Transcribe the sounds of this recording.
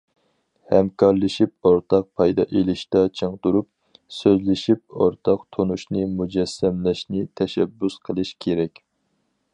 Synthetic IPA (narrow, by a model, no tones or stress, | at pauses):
hɛmkʰɑɾlˠɨʃip̚oɾt̪ʰɑq̚pʰɑjd̪ɑ̰ʔelɪʃt̪ɑt͡ʃʰəŋd̪uɾup̚ | søzlɪʃip̚oɾt̪ʰɑqt̪ʰonuʃnɨmud͡ʒɛsːɛmlɛʃnɪt̪ʰɛʃɛbːusqʰəlˠɨʃkʲʰeɾɛkʲ